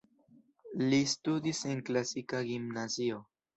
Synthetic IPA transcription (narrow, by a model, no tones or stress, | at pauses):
list̪ud̪iseŋklasikaɣimnasio